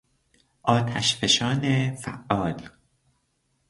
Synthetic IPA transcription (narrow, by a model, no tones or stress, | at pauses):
ʔɒːt̪ʰæʃfeʃɒːnefæ̰ʔːɒːl